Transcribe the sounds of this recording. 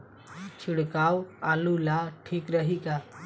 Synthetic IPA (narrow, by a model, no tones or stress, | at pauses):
t͡ʃʰiɽkawalulaʈʰikɾəɦika